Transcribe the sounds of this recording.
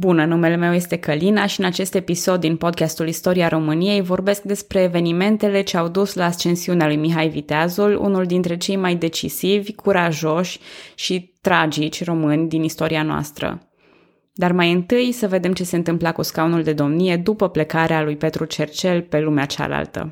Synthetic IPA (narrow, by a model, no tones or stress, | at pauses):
bunənume̞le̞me̞wje̞st̪e̞kəlinaʃiɨnat͡ʃe̞st̪e̞piso̞d̪ːinpo̞d̪̚kʲast̪ulist̪o̞ɾiaɾʔo̞mɨnije̞jvo̞rbe̞sk̚d̪e̞spɾe̞ːve̞nime̞nt̪e̞le̞t͡ʃeawd̪uslaːst͡ʃe̞nsiunealujmiɦajvit̪eazulṵnuld̪int̪ɾe̞t͡ʃe̞jmajd̪e̞t͡ʃḭsivʲkʰuɾaʒo̞ʃʲʃit̪ɾad͡ʒit͡ʃʲro̞mɨnʲd̪inist̪o̞ɾianoa̰st̪ɾə̰ | d̪armajɨnt̪ɨjsəve̞d̪e̞mt͡ʃe̞se̞ɨnt̪ɨmplakuskawnuld̪e̞d̪o̞mnije̞d̪upəple̞kaɾealujpe̞t̪ɾut͡ʃe̞rt͡ʃe̞lpe̞lumeat͡ʃa̰la̰lt̪ə̰